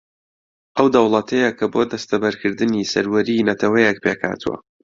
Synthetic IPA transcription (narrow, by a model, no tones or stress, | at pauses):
ʔɐwd̪ɐwlˠɐt̪ʰɐjɐkʰɐboːd̪ɐst̪ɐbɐɾkʰɨɾd̪ɨnisɐɾwɐɾinɐt̪ʰɐwɐjɛk̚pʰekʰa̰ːt̪ʰṵwɐ̰